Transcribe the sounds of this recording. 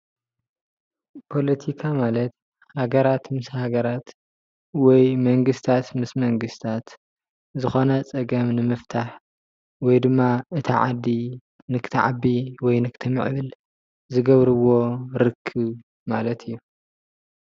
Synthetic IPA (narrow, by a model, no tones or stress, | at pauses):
pʰo̞lɐt̪ʰikʰamalɐt̪ | haɡɐɾat̪mɨshaɡɐɾat̪ | wɔjmɐŋɡɨst̪ʰat̪mɨsmɐŋɡɨst̪ʰat̪ | zɨxo̞nɐt͡sʼɐɡɐmnɨmɨft̪ʰaħ | wɔjd̪ɨmːaɨt̪ʰɐʕa̰d̪ːi | nɨkʰɨ̥t̪ʰɐʕa̰bːiwɔjnɨkʰɨ̥t̪ʰɐmɨ̰ʕβɨl | zɨɡɐβɾɨβo̞ɾɨkʰːɨβ | malɐt̪ʰɨjːu